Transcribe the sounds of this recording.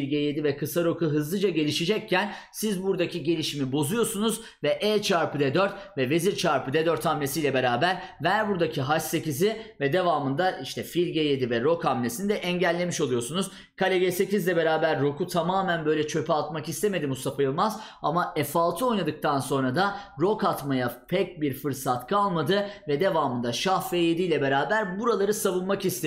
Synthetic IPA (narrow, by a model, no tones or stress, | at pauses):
lʲɟeje̞d̪ivɛkʰɯsaɾo̞kuɦɯzlˠɯd͡ʒaɟe̞lʲiʃid͡ʒɛc̚cʰːæn | sizbuɾd̪acʰiɟe̞lʲiʃimibo̞zujo̞sunuz | vɛʔɛːt͡ʃʰaɾpɯd̪ɛd̪øɾt̪vɛve̞ziɾt͡ʃʰaɾpɯd̪ɛd̪øɾt̪ʰamlʲesijlʲɛbe̞ɾaːbæɾvæɾbuɾd̪acʰiɦaʃse̞cizɪvɛd̪e̞vaːmɯnd̪aʔiʃt̪ʰɛfilʲɟeje̞d̪ivɛɾo̞kʰamlʲesinid̪ɛʔɛɲɟælʲːe̞miʃo̞lˠujo̞sunuz̥ | kʰalʲeɡese̞cizlʲɛbe̞ɾaːbæɾːo̞kut̪ʰamaːmænbø̞jlʲɛt͡ʃʰø̞pʰɛalt̪makist̪ʰe̞me̞d̪imusapajɯlˠmaz | amaʔɛfalˠt̪ʰɯo̞jnad̪ɯk̚t̪ʰanso̞nɾad̪aɾo̞kat̪majapʰɛc̚biɾfɯɾsat̪kʰalˠmad̪ɯvɛd̪e̞vaːmɯnd̪aʃahveːjed̪ijlʲɛbe̞ɾaːbæɾbuɾalˠaɾɯsavɯnmakist̪ʰe